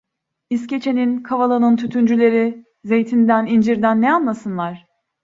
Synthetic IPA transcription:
isce̞t͡ʃʰe̞ninkʰavalˠanɯnt̪ʰyt̪ʰynd͡ʒylʲe̞ɾi | ze̞jt̪ʰind̪ænind͡ʒiɾd̪ænːɛanlˠasɯnlˠaɾ̥

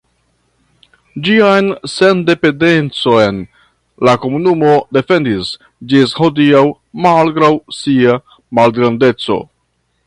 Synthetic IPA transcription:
d͡ʒiajnse̞nde̞pe̞nde̞nt͡so̞jn | lako̞munumo̞de̞fe̞ndis | d͡ʒisho̞diaw | malɡɾawsia | malɡɾande̞t͡so̞̰

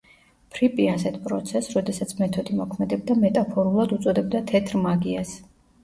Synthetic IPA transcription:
pʰɾipʼiasɛt̪ʰpʼɾɔ̰t̪sʰɛsɾɔd̪ɛsat̪sʰmɛt̪ʰɔd̪imɔkʰmɛd̪ɛbd̪amɛt̪ʼapʰɔɾulˠad̪ut̪sʼɔd̪ɛbd̪at̪ʰɛt̪ʰɾmaɡias

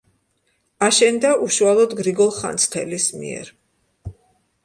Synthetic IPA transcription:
aʃɛnd̪aʔuʃualˠɔd̪ɡɾiɡɔlˠχa̰nt̪sʰt̪ʰɛlismḭɛ̰ɾ

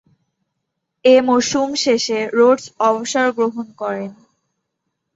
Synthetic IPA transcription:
emoʃumʃeʃeɾoɖsɔboʃaɾɡɾoɦonkɔɾen

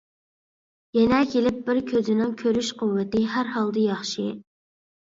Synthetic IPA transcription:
jɛnɛkʲʰelɪp̚bɪɾkʲʰøzɪnɪŋkʲʰøɾyʃqʰʊwːɪt̪ɪɦæɾhɑlˠd̪ɨjɑχʃi

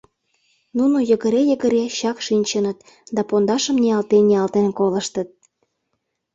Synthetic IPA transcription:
nunojə̆ɣəɾejəɣə̆ɾeɕɑkʃinʲt͡ɕənət̪ | d̪ɑpond̪ɑʃə̆mnʲiɑlt̪enʲːiɑlt̪enkoləʃt̪ət̪̚

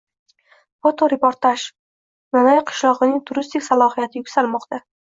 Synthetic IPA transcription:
fot̪ʰoɾepoɾt̪ʰaʃ | nanajqʰɨ̥ʃlˠɒʁɨnɪŋt̪ʰʊɾɪst̪ɪkʲsalˠɒɦijat̪ʰɪjʊkʲsalmɒqt̪ʰa

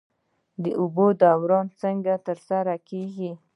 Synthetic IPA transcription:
d̪əʔʊbod̪ɑwɾɑnt͡səŋɡat̪əɾsaɾakeɡi

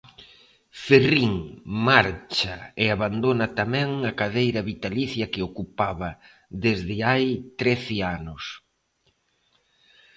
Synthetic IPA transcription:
feriŋmaɾt͡ʃaeaβand̪onɐt̪amɛ̃ŋakaðejɾɐβit̪aliθjɐkɪokupaβɐ | ðezðɪajt̪ɾeθɪanʊs

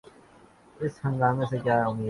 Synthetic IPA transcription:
ɪshə̃ŋɡaːmẽsekjaːʊmiː

